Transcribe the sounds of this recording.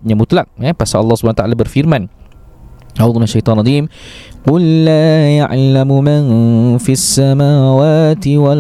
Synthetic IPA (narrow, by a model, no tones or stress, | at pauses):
ɲamut̪lak̚japasaɑlːɑhsubanawt̪aʔalabərfirman | awd̪unaʃajt̪ˤɑːnʔɑd̪iːmqʊlːaːja̰ʔlamumanfisːamaːwaːt̪iwal